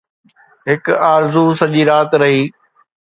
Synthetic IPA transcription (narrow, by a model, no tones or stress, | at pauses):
ɦɪkaːɾzusɐʄiːɾaːt̪ɾɐɦiː